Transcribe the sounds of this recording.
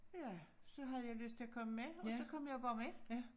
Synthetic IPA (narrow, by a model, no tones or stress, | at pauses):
jæsɔɦɑðəjæɪlʉst̪ʰɪlɔkʰɔmːəmeɔsɔkʰɔmːjæɪbɑːme